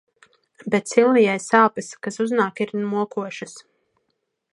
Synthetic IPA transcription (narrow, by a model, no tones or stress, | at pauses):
bet̪silˠnijajsaːpiskasuznaːkiɾnmuɔkuɔʃɨs